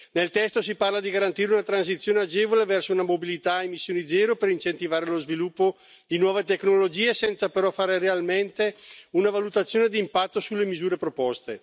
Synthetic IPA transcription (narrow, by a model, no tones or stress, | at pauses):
nelt̪ɛst̪os̬iparlad̪iɡaɾant̪iːɾeunat̪ɾansit̪sjoːnead͡ʒevolevɛrsounamobilit̪aemisːjoːnid̪zɛːɾopeɾint͡ʃent̪ivaːɾelozvilupːo | d̪inwɔːvet̪eknolod͡ʒiːesɛnt̪sapeɾɔfaːɾerealment̪eunavalut̪at̪sːjoːned̪iːmpat̪ːosulːemizuːɾepɾopɔst̪e